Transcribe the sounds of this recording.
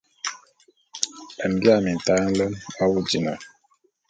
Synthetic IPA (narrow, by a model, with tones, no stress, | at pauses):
ə˨m˨bja˦˨mi˨n˨ta˦n̩˦lə˦ma˦wu˦d͡ʒi˨na˨